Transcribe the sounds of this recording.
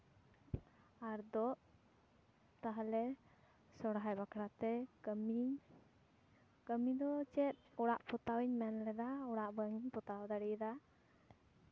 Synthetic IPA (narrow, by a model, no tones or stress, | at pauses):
aɾd̪ɔʔ | t̪aɦalɛ | sɔɽɦajbakɽat̪ɛmiɲ | kəmiɲd̪ɔt͡ʃɛt̪̚ˀɔɽaʔpʰɔt̪awiɲmɛnlɛd̪aɔɽaʔbəŋiɲpɔt̪awd̪aɽid̪a